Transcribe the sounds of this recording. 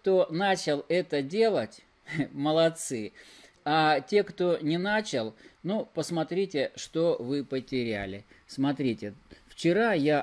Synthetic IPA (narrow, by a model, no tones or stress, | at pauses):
t̪o̞nat͡ɕɪlˠɛt̪ədʲe̞lˠətʲ | məlˠɐt̪sɨ | atʲe̞kt̪o̞nʲɪnat͡ɕɪlˠnupəsmɐt̪ɾʲitʲɪʂt̪o̞vɨpətʲɪɾʲæ̰lʲɪsmɐt̪ɾʲitʲɪft͡ɕɪɾaja